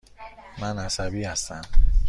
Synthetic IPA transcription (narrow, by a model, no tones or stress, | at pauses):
mænæsæbiːhæst̪æm